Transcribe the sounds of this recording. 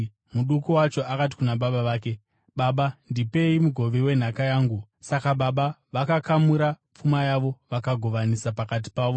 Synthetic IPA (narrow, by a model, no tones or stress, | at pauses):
muɗukuwat͡ʃo̞akat̬i̥kunaɓaɓaʋaːke̞ | ɓaɓandipe̞imuɡʱo̞ʋewe̞n̤akajaːŋɡu | sakaɓaɓaʋakakamuɾa | p͡fumajaʋo̞ʋakaɡʱo̞ʋanisapakat̬i̥paːʋo̞